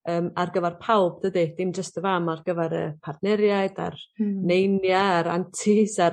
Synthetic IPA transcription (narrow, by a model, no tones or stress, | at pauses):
əːmarɡəvɛrpʰawbdədid̥ɪmd͡ʒəstəvamarɡəvɛɾə̰pʰardnɛɾjaɨd̥a̰rnejnjaːɾa̰ntʰɪsa